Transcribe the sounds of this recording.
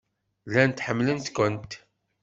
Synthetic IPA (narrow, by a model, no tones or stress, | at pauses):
lænt̪ħəmːlənt̪kʷənt̪